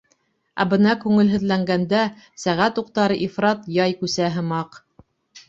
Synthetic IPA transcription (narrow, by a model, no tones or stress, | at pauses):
æ̰bɤ̆nɑkʉŋɘ̆lɦɘ̆ðlæŋɡænd̪æ | sæʁæt̪uq̚t̪ɑɾɤʔifɾɑt̪jɑjkʉsæɦɤ̆mɑq